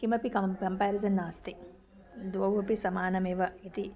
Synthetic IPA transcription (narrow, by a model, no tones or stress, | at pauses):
kimɐpikɐɐmpaːɾizɐnːaːst̪i | d̪ʋɐwʋɐpisɐmaːnɐmeːʋɐit̪i